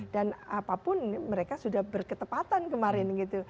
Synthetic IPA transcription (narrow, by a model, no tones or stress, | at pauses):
danapapʊnməɾekasudahbərkət̪əpat̪ankəmaɾɪnɡit̪u